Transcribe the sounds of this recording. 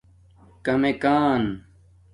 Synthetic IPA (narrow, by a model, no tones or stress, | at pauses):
kɐmekaːn